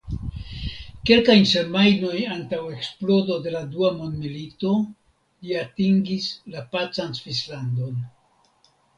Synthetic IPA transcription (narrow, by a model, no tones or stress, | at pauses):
ke̞lkajnsemajno̞jantawe̞ksplo̞do̞de̞laduamo̞ndmilito̞ | liatiŋɡislapat͡sansvislando̞n